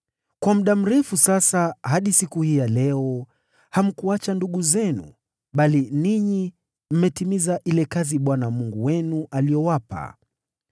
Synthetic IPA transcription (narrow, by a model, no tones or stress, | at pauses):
kwamuɗam̩ɾɛfusasahaɗisikuhiːjalɛɔ | ham̩kuat͡ʃanduɠuzɛnṵ | ɓaliniɲi | m̩mɛtimizaʔilɛkaziɓwanamuŋɡuwɛnuʔalijɔwapa̰